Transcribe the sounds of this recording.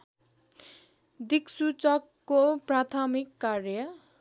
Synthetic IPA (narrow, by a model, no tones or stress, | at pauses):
d̪iksut͡sʌkːoprat̪ʰʌmikːarjʌ